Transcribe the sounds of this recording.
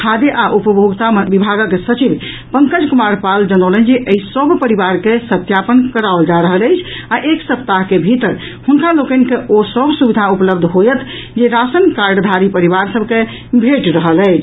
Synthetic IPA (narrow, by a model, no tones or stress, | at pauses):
kʰad̪eʔaʔupəbʱoɡt̪amebibʱaɡkesət͡ʃib | pəŋkəd͡ʒkumaɾpald͡ʒənəwlənd͡ʒeʔəisəbpəɾiβaɾkesət̪japənkəɾaold͡ʒaɾəɦələjt͡ʃʰaʔeksəpt̪aɦkebʱit̪əɾ | hunkalokənkeosəbʱsubid̪ʱaupləbd̪ʱɦojət̪ʰ | d͡ʒeɾasənkaɾɖd̪ʱaɾipəɾiβaɾsəbʱke | bʱeʈɾəɦələɪt͡ʃʰ